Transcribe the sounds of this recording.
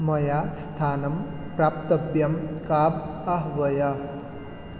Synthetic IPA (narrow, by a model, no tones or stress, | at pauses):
mʌjast̪ʰaːnʌm | praːp̚t̪ʌbjʌmkabaɦʋʌjʌ